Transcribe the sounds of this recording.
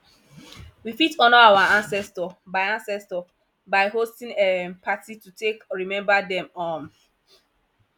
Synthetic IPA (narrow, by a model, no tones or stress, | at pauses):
wifitɔ̃nɔawaãnsɛstɔbaɪãnsɛstɔ | baɪɦostĩŋɛpatitutekɹimɛ̃mbadɛ̃mɔ̃n